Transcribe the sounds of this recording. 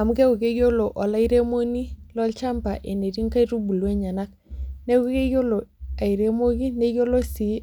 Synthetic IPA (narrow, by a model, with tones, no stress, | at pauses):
a˨m˦ɡe˦u˨ke˦ɡo˦lo˨ʔɔ˨la˦i˦ɾe˦mo˦ni˦lɔ˦lt͡ʃa˦mpa˨ʔe˨ne˨ɾi˦ŋka˦i˦ɾu˦bu˨lwe˦ɲa˨na˦k̚ | ne˦uu˦ke˦jo˦lo˨a˨i˨ɾe˦mo˦ɡi˦ne˦ɡo˦lo˦si˨˦